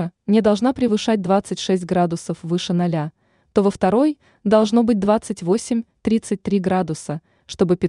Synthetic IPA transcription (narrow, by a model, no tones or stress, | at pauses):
nʲɪd̪ɐlˠʐnapɾʲɪvɨʂat̚ʲd̪vat̪sɨtʲʂɛsʲt̚ʲɡɾad̪ʊsəfvɨʂɨnɐlʲa | t̪o̞vəft̪ɐɾo̞j | d̪ɐlˠʐno̞bɨt̚ʲd̪vat̪sɨtʲvo̞sʲɪmʲt̪ɾʲit̪sɨt̚ʲt̪ɾʲiɡɾad̪ʊsə | ʂt̪o̞bɨpʲɪ